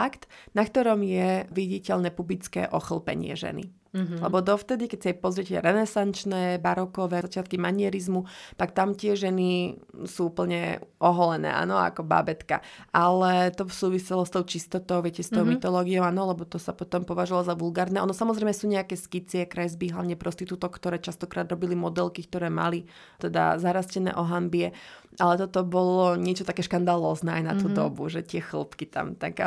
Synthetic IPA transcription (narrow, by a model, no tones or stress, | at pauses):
akt̪nakt̪ɔɾɔmjɛʋiɟicɛʎnɛpublit͡skɛ̰ːʔɔxl̩ˠpɛ̰ɲɪɛ̰ʒɛ̰nḭ | lɛbɔd̪ɔft̪ɛd̪ikɛcsiajpɔzɾɪɛcɛɾɛnɛsant͡ʃnɛːbaɾɔkɔʋɛːzat͡ʃɪat̪kimaɲɪɛɾizmut̪akt̪amt̪ɪɛʒɛnisuːuːpl̩ɲɛʔɔɦɔlɛnɛ̰ːʔa̰ːnɔa̰kɔba̰ːbɛt̪ka̰ʔalɛt̪ɔfsuːʋisɛlɔst̪ɔʊt͡ʃist̪ɔt̪ɔʊʋjɛcɛst̪ɔʊmit̪ɔlɔːɡiɔʊaːnɔlɛbɔt̪ɔsapɔt̪ɔmpɔʋaʒualɔzaʋulɡaːɾnɛːɔnɔsamɔzɾɛjmɛsuːɲɛakɛːskit͡sɪɛkɾɛzbiɦla̰ʋɲɛpɾɔst̪it̪ut̪ɔkt̪ɔɾɛːt͡ʃast̪ɔkɾaːd̪ɾɔbilimɔd̪ɛlkikt̪ɔɾɛːma̰li | t̪ɛd̪a̰zaɾascɛnɛ̰ːʔɔɦambiɛ | ʔalɛt̪ɔt̪ɔbɔlɔɲɛt͡ʃɔt̪akɛːʃkand̪alɔːznɛːajna̰t̪uːd̪ɔbuʒɛt̪ɪɛxl̩pkit̪a̰mt̪a̰ɡa